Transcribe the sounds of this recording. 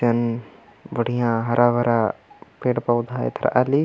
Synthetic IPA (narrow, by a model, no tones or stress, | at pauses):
ɐn | ʋəɽ̤ijãːɦɐɾʔaʋɐɾapeːɽpɐwd̪ʱaːḛt̪ʰɾa̰ʔali